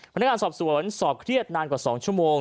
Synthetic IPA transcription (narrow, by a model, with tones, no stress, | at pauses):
pʰn̚ː˥ŋː˧nsɔː˨˩p̚su˩˦ənsɔː˨˩p̚kʰɾi˥˩ət̪̚naː˧nkwaː˨˩sɔː˩˦ŋt͡ɕʰu˥˩əmoː˧ŋ